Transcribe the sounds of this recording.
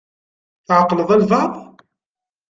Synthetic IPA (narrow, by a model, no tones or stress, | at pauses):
θʕəqːləðˤælvɑðˤ